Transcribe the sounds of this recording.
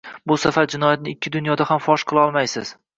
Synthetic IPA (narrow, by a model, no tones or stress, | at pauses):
bʊsafaɾd͡ʒɪnɒjat̪nɪɪkʲːɪd̪ʊnjɒd̪ahamfɒʃqʰɨlˠɒlˠmajsɪz̥